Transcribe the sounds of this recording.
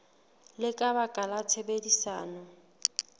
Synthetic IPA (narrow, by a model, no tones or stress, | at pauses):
lɪkʼabakʼalatʰebedisaːnɔ